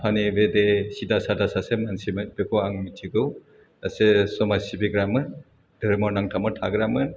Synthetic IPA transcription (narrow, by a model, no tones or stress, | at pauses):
pʰanibedesidasadasasemansimɯbekʰɔaŋmitʰiɡɯw | asesɔmasibiɡɾamɯn | dɯɾmɔnaŋtʰamɯtʰaɡɾamɯn